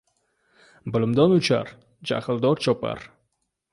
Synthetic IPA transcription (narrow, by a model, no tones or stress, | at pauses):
bɪlɪmd̪ɒnʊt͡ʃʰa̰ɾ | d͡ʒa̰hɪlˠd̪ɒɾt͡ʃʰɒpa̰ɾ